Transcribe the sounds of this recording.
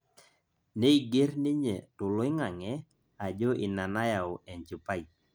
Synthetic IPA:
ne˦i˨ɡe˦ɾnɪ˦ɲe˨tʊ˨lo˦ɪ˦ŋa˨ŋɛ˦ | a˨d͡ʒo˦ʔɪ˨na˨na˦ja˨o˨ʔɛ˨nt͡ʃi˨pa˦i˨

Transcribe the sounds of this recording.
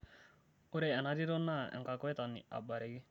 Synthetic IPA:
u˦ɾea˨na˦di˦ɾɔ˦nːa˦ɛ̰˨ŋka˨kɔ˦ɛ˦t̪a˨nːḭ˨ʔa̰˨ba˨ɾɛ˦ɡi˦

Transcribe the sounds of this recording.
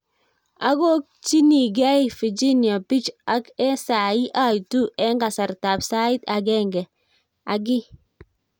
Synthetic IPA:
a˦ɡo˦k̚ | t͡ʃi˦ni˨ɡa˦i˨fi˨d͡ʒi˦nja˨pi˦t͡ʃa˦kɛ˦sa˨i˦ʔa˦˨i˨tu˦ʔɛ˦ŋɡa˨sa˨ɾta˨psa˦i˦ta˨ɡɛ˦˨ŋɡɛ˨ | a˨ɡɪ˦

